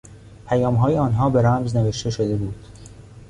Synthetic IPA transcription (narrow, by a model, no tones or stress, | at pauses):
pʰæjɒːmɦɒːjeɒːnɦɒːbeɾæmzne̞ve̞ʃt̪e̞ʃod̪e̞buːd̪̥